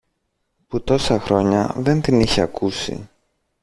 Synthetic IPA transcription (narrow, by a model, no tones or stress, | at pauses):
put̪o̞sɐxɾo̞ɲɐðe̞nt̪iniçeɐkusḭ